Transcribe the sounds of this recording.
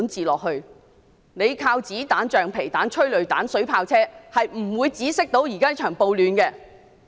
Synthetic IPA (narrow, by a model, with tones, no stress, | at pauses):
nt͡siː˨lɔː˨k̚hɵ˧ɥ | ne˨˧jkʰaː˧wt͡siː˨˥t̪aː˨˥nt͡ʃœː˨˩ŋpʰe˨˩jt̪aː˨˥nt͡ʃʰɵ˥ɥlɵ˨˧ɥt̪aː˨˥nsɵ˨˥ɥpʰaː˧wt͡sʰɛː˥hɐ˨jm̩˨˩wuː˨˧jt͡siː˨˥sɪ˥k̚t̪o˨˥wjiː˨˩kaː˥t͡ʃʰœː˨˩ŋpo˨˧wlyː˨˧nkɛː˧